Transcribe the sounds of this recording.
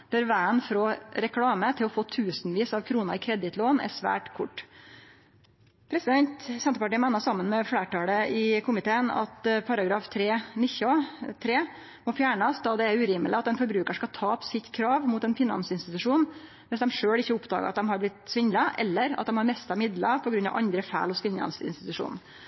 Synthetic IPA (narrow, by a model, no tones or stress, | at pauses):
b̪̥əɾʋæːənfɾɔɾɛkʰlɑːmət̪ʰɪlɔfoːt̪ʰʉːsnʋiːsɑʋkʰɾuːnəɾɪkʰɾɛd̪ɪt̪loːnæ̰ʂʋæ̰ːʈkʰʊʈː | pʰɾɛsɪd̪ɛnt̪sɛnt̪əpɑʈiːmɛnəsɑmːənmɛfleːʈɑːləɪkʰʊmɪt̪ʰeːənɑ̰t̪pʰɑɾɑɡɾɑːft̪ʰɾeːnɪçɑt̪ʰɾeː | mɔfjæːɳɑsd̪ɑd̪ɛæɾʉːɾiːməlɪɑt̪d̪ɛnfɔɾbɾʉːkəʂkɑt̪ʰɑːpsɪt̪kʰɾɑːʋmuːt̪ɛnfɪnɑ̰nsɪnst̪ɪt̪ʉʂuːn | mɛnsd̪ɛmʂøːɽɪçːəʊpd̪ɑ̰ːɡə̰ʔɑt̪̚d̪ɛmɦɑɾblɪt̪sʋɪɲd̪lɑʔɛ̰lːəɾɑ̰t̪̚d̪ɛmhɑɾmɛst̪ɑmɪd̪lɑpʰɔɡɾʉnːɑ̰ʋʔɑ̰nd̪ɾəfæ̰ːlɔsfɪnɑ̰nsəɪ̰nst̪ɪt̪ʉʂṵːn